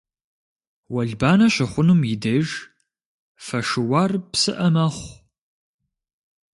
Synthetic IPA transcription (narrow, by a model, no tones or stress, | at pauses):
wɐɮbaːnɐɕɐχʷʊnumjɪdɐʒ | fɐʂɨwɑːrpsɨʔɐmɐχʷ